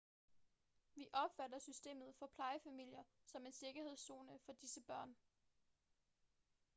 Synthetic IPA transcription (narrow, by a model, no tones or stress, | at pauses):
ʋiʔɒ̽b̥fædɐsysd̥e̝̰ːmð̞̩ˠfɒ̽pʰlɑ̈ɪəfæmil̰jɐsɒ̽me̝nse̝ɡ̥ɐhe̝ð̞̰ˠso̝ːnəfɒ̽d̥isəb̥ɶɐ̰n